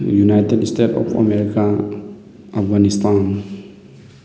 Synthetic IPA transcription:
junajtedisteʈɔ̰pʰa̰meɾika | apɡanist̪ʰan

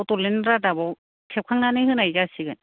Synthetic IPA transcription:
wtɔlenɾadabaw | kʰep̚kʰaŋnanɯjhɯnajzasiɡɯn

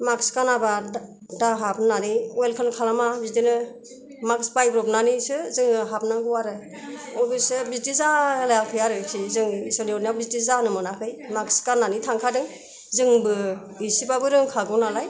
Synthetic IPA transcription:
makskanaba | daɦapnaniɔjlkʰankʰalamabiztinɯ | maksbajbɾɔp̚nanisɯzɯŋɯɦapnaɡɯwaɾɯ | ɔbɯsɯbiztizalajakʰɯjaɾɯkʰizɯŋisɔniɔnjabiztizanɯmɯnakʰɯjmakskanːanitʰaŋkʰadɯŋ | zɯŋbɯ | isibabɯɾɯŋkʰaɡɯnalaj

